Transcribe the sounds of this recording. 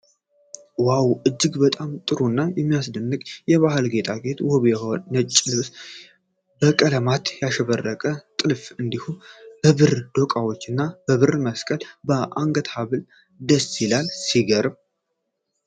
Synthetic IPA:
wawʔɨd͡ʒːɨɡbət̪ʼamt̪ʼɨɾunːajɛmːijasd̪ənːɨkʼjɛβahɨlɡe̞t̪ʼaɡe̞t̪woβjɛhonət͡ʃʼːlɨβs | bəkʼələmat̪jaʃɛβərːəkʼət̪ʼɨlfɨnd̪ihumb̥əβɨɾd̪̥okʼawot͡ʃːɨnːab̥əβɨɾməskʼəlbəʔaŋɡət̪haβɨl | d̪əsilalsiɡəɾm

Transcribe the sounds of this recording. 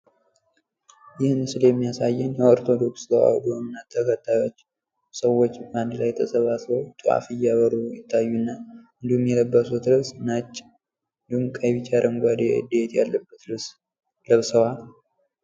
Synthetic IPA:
jɪhnɨsɨljɛmːijasajːɛnjɛo̞ɾt̪ʰo̞d̪o̞ksdəwa̰wd̪omɨnːat̪ʰːəkʰət̪ʼːajo̞t͡ʃː | səwːo̞t͡ʃːband̪lajːɛt̪ʰəsəβasləwt͡ʃ̪ʼua̰fɨjːaβəɾujɪt̪ʰːajːunːaɨnd̪ihumjɛləbːəsut̪ɾɨsnat͡ʃʼː | ɨnd̪ihumkʼəβit͡ʃaɾʔəmɡʷad̪ed̪et̪jalːəbːət̪ɾɨs | ləβsəwal

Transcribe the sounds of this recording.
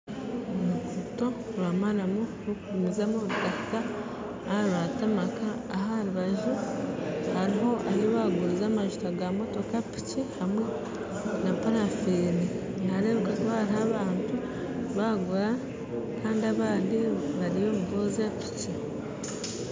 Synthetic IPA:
omuʒuto̞ɾwamalamuɾokuɾumizamoβutaka | haɾβatamakaːɦaɾuβaʒu | haɾiɦo̞ʔaioβaɡuɾizaːmaʒutaɡamo̞to̞kapi̥cihamwe̞ | napanafeːni | naɾeːβekakuβaɾhaːβaːntu | βaɡuɾa | kaːndiaβaːndiβaɾijo̞ːmuɡo̞ːzapi̥ci

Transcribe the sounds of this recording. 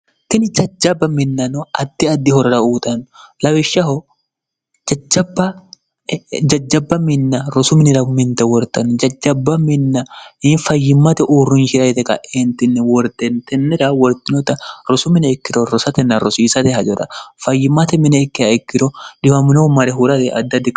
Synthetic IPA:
t̪ɪnɪd͡ʒɐd͡ʒːɐbːɐmɪnːɐnɔɐd̪̥ːɪɐd̪ːɪhɔɾɐɾɐuːt̪ɐnʊlɐwɪʃːɐɦɔ | d͡ʒɐd͡ʒɐbːɐ | d͡ʒɐd͡ʒːɐbːɐmɪnːɐɾɔsʊmɪnɪɾɐmɪnt̪ɛwɔɾt̪ɐnːʊd͡ʒɐd͡ʒːɐbːɐmɪnːɐɪnfɐjːɪmːɐt̪ɛʔuːrʊnʃɪɾɐt̪ɛkɐ̰ʔent̪ɪnːɛwɔɾt̪ɛnt̪ɛnːɛɾɐwɔɾt̪ːɪnɔt̪ɐɾɔsʊmɪnɛɛkːɪɾɔɾɔsɐt̪ɛnːɐɾɔsiːsɐt̪ɛɦɐd͡ʒɔɾɐ̰fɐjːɪmːɐt̪ɛmɪnɛɛkːɪɐɛkːɪɾɔᶑɪwɐmɪnomɐɾɛɦʊɾɐt̪ɛʔɐ̰d̪ːɪɐd̪ːɪk

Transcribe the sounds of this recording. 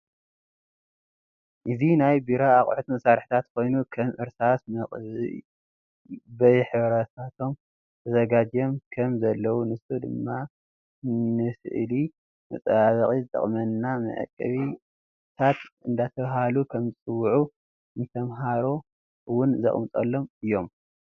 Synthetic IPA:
ʔɨzinajbiɾaaχʼħut̪mɐsaɾħi̥t̪ʰat̪kʰo̞jnukʰɐmʔɨɾsasmɐχʼ | bɐjħɨβɾɐt̪ʰat̪ʰo̞m | t̪ʰɐzɐɡad͡ʒjo̞mkʰɐmzɐlːɐwunɨsud̪ɨmːa | nɨsɨ̰ʔli | mɐt͡sʼɐβaβɐχʼizɨt̪ʼɐ̰χʼmɐnːamɐ̰ʕɨ̰kʼːɐ̰βi | t̪ʰat̪ɨ̰nd̪at̪ʰɐβɦalukʰɐmɨt͡sʼɨwːʕu | nɨt̪ʰɐmɦaɾo̞ | wʊnzɐ̰χʼmt͡s̪ʼɐ̰lːo̞mɨjːo̞m

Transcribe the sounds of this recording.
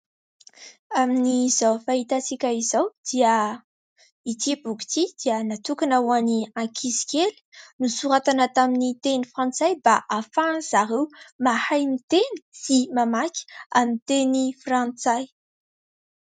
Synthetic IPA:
aminizawfaɦit̪asikʲaizawd̪̥iə | it̪ibuki̥t̪id̪̥iənat̪ukanawaniãkʰisi̥kʲeli̥nusuɾat̪anat̪aminit̪enifrãnt͡sajbaʔafaz̥aɾewmahajnit̪eni̥simamakʲi̥amit̪enifrant͡saj

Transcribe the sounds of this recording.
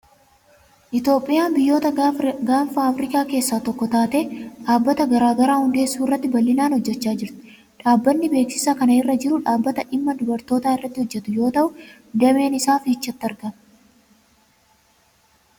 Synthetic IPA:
ʔɪt̪jo̞ːpʼːɪjaːnbɪjːo̞ːt̪ɐɡaːfaɐfɾɪkaːke̞ːsːaːt̪ɔkːɔt̪aːt̪e̞ːᶑaːbːɐt̪ɐɡɐɾaːɡɐɾaːhʊnd̪e̞ːsːuːɪrːɐt̪ːɪbɐlːɪnaːnhɔd͡ʒːɛt͡ʃːaːd͡ʒɪɾt̪ɪ̥ | ᶑaːbːɐnːɪbe̞ːksɪ̥sakɐnɐɪrːɐd͡ʒɪɾʊᶑaːbːɐt̪ɐʔɪmːɐd̪ʊbɐɾt̪o̞ːt̪aːɪrːɐt̪ːɪhɔd͡ʒːɛt̪ʊjo̞ːt̪ɐʔʊ | d̪ɛme̞ːnɪsaːfɪɪt͡ʃːɐt̪ːɪɐɾɡɐm

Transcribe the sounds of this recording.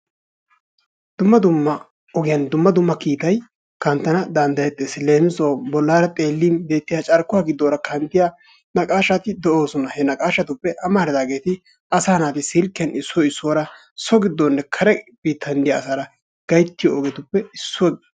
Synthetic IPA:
d̪ʊmːɐd̪ʊmːɐ | ɔɡɪjɐnd̪ʊmːɐd̪ʊmːɐkiːt̪ɐj | kɐnt̪ːɐnɐd̪ɐnd̪ɐjɛt̪ʼːɛsle̞ːmɪsoːbɔlːaːɾɐt̪ʼe̞ːlːiːnbe̞ːt̪ːɪjat͡ʃʼɐɾkːʊaːɡɪd̪ːoːɾɐkʰɐnt̪ːɪja | nɐkʼaːʃat̪ɪd̪ɛʔo̞ːsɔnɐhɛnɐkʼaːʃɐt̪ʊpːɛʔɐmaːɾɪd̪aːɡe̞ːt̪ɪ | ɐsaːnaːt̪ɪsɪlkːɪjɐnɪsːɔɪsːoːɾɐ | sɔɡɪd̪ːonːɛkʰɐɾɛb̥iːt̪ʰːɐnd̪ɪjɐːsaːɾɐ | ɡ̥ɐjt̪ːɪjoɔɡɛt̪ʊpːɛɪsːʊɔɡɪ

